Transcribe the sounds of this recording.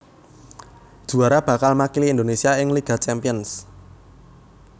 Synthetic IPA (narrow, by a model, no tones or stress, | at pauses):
ʒ̥ṳaɾab̥ä̤kalmakiliːnd̪onesiaɪŋliɡ̥a̤t͡ʃɛmpiəns